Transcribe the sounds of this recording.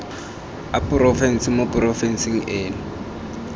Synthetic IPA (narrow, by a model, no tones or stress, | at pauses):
apʼʊrɔfɛn̩sɪmopʼʊrɔfɛn̩siŋ̩eːnʊ